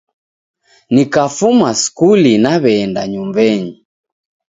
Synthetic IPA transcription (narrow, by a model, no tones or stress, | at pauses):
nikafumaskulinaβɛnda̰ɲumbɛɲi